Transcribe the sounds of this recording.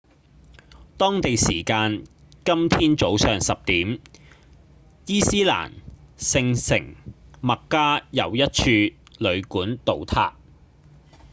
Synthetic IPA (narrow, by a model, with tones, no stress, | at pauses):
t̪ɔː˥ŋt̪e˨jsḭː˨˩kaː˧n | kɐ˥mt̪ʰiː˥nt͡so˨˥wsœː˨˩ŋsɐ˨p̚t̪iː˨˥m | jiː˥siː˥la̰ː˨˩nsɪ˧ŋsɪ̰˨˩ŋmɐ˨kːaː˥jɐ̰˨˧wjɐ˥t̚t͡ʃʰyː˧lɵ˨˧ɥkuː˨˥nt̪o˨wt̪ʰa̰ː˧k̚